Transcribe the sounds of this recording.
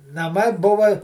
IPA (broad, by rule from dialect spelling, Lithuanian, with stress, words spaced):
nɐˈmɐɪ ˈbʊʋɐ